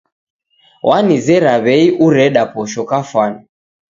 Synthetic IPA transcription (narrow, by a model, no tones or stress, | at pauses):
wʔanizɛɾaβɛiʔuɾɛɗapɔʃɔkafwani